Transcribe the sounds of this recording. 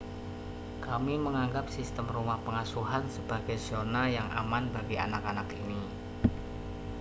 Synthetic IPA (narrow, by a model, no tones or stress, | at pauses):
kamiməŋaŋɡap̚sist̪əmrumahpəŋasuɦansəb̥aɡajsonajaŋʔa̰manbaɡia̰nakanakini